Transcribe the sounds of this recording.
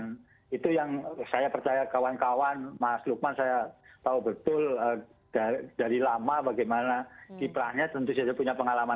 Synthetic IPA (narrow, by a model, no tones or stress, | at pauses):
it̪ujaŋsajapərt͡ʃajakawankawanmasluk̚mansajat̪aubət̪ʊlə | d̥ad̥aɾilamabaɡajmanakipɾahɲat̪ənt̪us̬ad͡ʒapuɲapəŋalama